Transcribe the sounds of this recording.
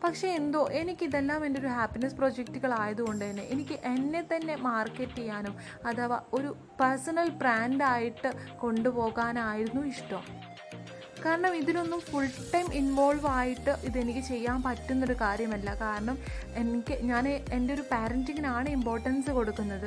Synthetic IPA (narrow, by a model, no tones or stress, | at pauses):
pɐkʂe̞ːnd̪o̞ːʔe̞nikʲːiðelːaːme̞ndeo̞ɾuhaːpːinɐspro̞d͡ʑek̚tuɣɐɭaːjɐðuɣo̞ɳɖɨðɐnːḛʔenikʲːɨʔenːe̞t̪ːɐnːe̞maːrkːetːe̞jːaːnum | ɐðɐʋɐ̰o̞ɾu | pɐrsɐnɐlbraːndaːjiʈːɨko̞ɳɖupo̞ːɣaːnaːjiɾunːuiʂʈo̰m | kaːɾɐɳɐmiðilo̞nːumfuɭʈːɐjminʋo̞ːlʋaːjiʈːɨʔiðe̞nikʲːɨt͡ɕe̞jːaːnpɐtːunːo̞ɾukaːɾjɐmɐlːɐkaːɾɐɳɐmenkʲːɨɲaːneende̞o̞ɾupaːɾɐntiŋɡinaːɳɨimpo̞ːrʈːɐnsɨko̞ɽukːunːɐðɨ